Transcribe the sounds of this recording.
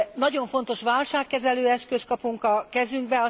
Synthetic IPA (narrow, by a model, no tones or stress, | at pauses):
nɒɟo̞ɱfo̞n̪t̪o̞ʃʋaːlʃaːkːɛzɛløːɛskøskɒpuŋkɒkɛzyŋɡ̚bɛɒ